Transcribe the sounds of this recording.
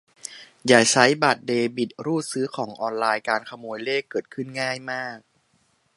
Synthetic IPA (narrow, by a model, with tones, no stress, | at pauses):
jaː˨˩k̚t͡ɕʰa˦˥jbaː˨˩t̪̚deː˧bi˨˩t̪̚ɾuː˥˩sɯː˦˥kʰɔː˩˦ŋʔɔː˧nlaː˧jkaː˧nkʰa˧moː˧jleː˥˩kːɤː˨˩t̪̚kʰɯ˥˩nŋaː˥˩jmaː˥˩k̚